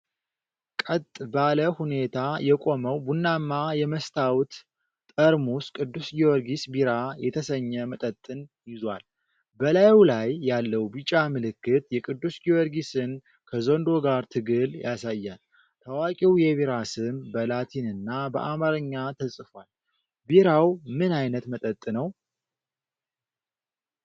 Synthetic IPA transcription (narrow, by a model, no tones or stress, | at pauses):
kʼət̪ʼbaləhune̞t̪ʰajɛkʼo̞məwbunːamːajɛməst̪ʰawt̪ːʼ | əɾmuskʼɨd̪ːusɡiɔɾɡisbiɾajɛt̪ʰəsəɲːɛmət̪ʼət̪ʼːɨnjɪzwa̰l | bəlajwlajːalːəwbit͡ʃʼamɨlɨkːɨt̪jɛkʼɨd̪ːusɡiwɔɾɡisɨn | kʰəzond̪o̞ɡaɾt̪ʰɨɡɨljasajːan | t̪ʰəwakʼiwjɛβiɾasɨmbəlat̪ʰinɨnːabəʔamaɾɨɲːat̪ʰəsʼfwal | biɾawmɨnajnət̪mət̪ʼət̪ʼːɨnəw